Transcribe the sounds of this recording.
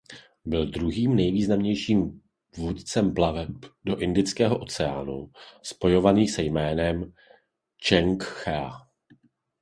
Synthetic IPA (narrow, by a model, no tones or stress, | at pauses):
bɪldɾuɦiːmnɛjviːznamɲɛjʃiːm | vuːt̪t͡sɛmplavɛpdo̞ʔɪndɪt͡skɛːɦo̞ʔo̞t͡sɛa̰ːnṵspo̞jo̞vaniːsɛjmɛːnɛm | t͡ʃɛŋkxɛa